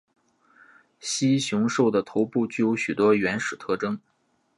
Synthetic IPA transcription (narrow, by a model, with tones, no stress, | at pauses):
ɕi˥ɕjʊ˧˥ŋʂo˥˩ʊd̪ə˩t̪ʰo˧˥ʊpu˥˧t͡ɕy˥˩jo˧˥ɕy˨˩t̪wɔ˥ɥɛ˧˥nʂɻ̩˨˩t̪ʰɤ˥˩ʈ͡ʂɤ˥ŋ